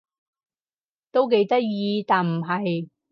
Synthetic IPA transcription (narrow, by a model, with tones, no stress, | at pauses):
t̪o˥wk̬e˧jt̪ɐ˥t̚jiː˧t̪aː˨nm̩˨˩ɦɐ˨j